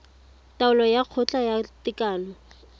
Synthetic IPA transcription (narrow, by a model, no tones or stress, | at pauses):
taʊlɔjaq͡χʰʊt͡ɬʼajatɪkʼaːlɔ